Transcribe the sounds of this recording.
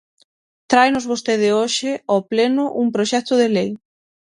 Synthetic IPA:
t̪ɾajnʊzβost̪eð̞ɪoʃɪɔplenʊʔuŋpɾoʃɛk̚t̪ʊðelej

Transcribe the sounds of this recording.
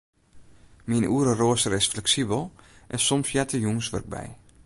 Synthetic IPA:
minʔuəɾəroəsəɾɪsflɛksibəlˠʔɛsɔmsjɛtʰəjuŋəsʋə̰rk̚bɛ̰j

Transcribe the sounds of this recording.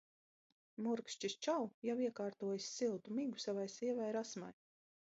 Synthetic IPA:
muɾkʃt͡ʃist͡ʃawjawiɛkaːɾt̪uɔjisʲsilˠt̪umiɡusavajsiɛvajɾasma̰j

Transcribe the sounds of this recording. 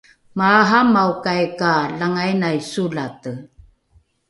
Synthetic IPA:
maːɦamawkajkalaŋajnajsulatə

